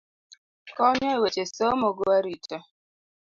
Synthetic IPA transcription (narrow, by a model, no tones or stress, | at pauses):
kɔɲɔewet͡ʃesomoɡoaɾit͡ʃo